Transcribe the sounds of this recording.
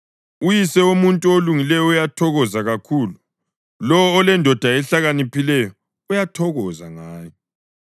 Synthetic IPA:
ujisɛumuntʼuoluŋilɛjɔujatʰɔɣɔzaɣakʰuːlu | lɔwɔːlɛndʱɔd̥ʱaɛɬaɣanipʰilɛjɔ | ujatʰɔɣɔza̰ŋaːjɔ

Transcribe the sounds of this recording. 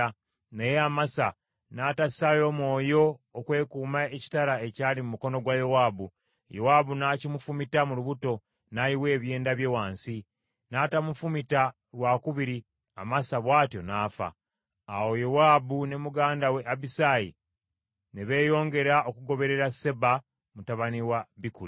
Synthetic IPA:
nejeamasa | naːtassajo̞mwo̞ːjo̞ːkwe̞ːkuːmaeci̥taɾae̞caːlimumuko̞no̞ɡwajowaːbu | jo̞̰waːbunacimufumitamuluβuto̞ | najiwe̞ːβje̞ːndaβje̞waːnsi | natamufumita | ɾwakuβiɾi | a̰masaβwaːtjo̞naːfa̰ː | wo̞jowaːbune̞muɡaːndawe̞ʔabisaːjḭ | neβe̞ːjo̞ːŋɡe̞ɾaʔokuɡo̞βe̞ɾe̞ɾase̞ba | mutaβaniwaβikuli

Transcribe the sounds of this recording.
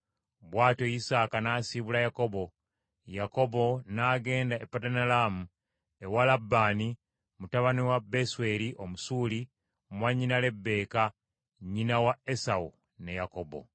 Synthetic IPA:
βwaːtoisaːkanaːsiβulajako̞βo̞ | jako̞βo̞naːɡe̞ːndaepːatanalaːmu | ewalabːaːni | mutaβaniwabːe̞swe̞liʔomusuːli | mwaɲːinale̞bːe̞ːka | ɲinawae̞sau | ne̞jako̞bo̞̰

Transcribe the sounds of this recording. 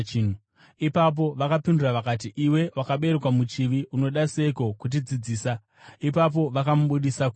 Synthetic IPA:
nu | ipap̬o̞ʋakapinduraʋakatiʔiwe̞wakaɓe̞ɾekwamut͡ʃiʋiʔuno̞ɗase̞ko̞kut̬id͡zid͡ziːsa | ipap̬o̞ʋakamuɓuɗisak

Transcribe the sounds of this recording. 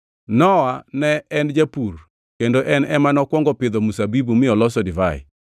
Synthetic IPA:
nɔwanɛɛnd͡ʒapur | kendoʔɛnɛmanɔkwɔŋɡɔpɪd̪ɔmusabibumɪɔlɔsɔdɪvaɪ̰

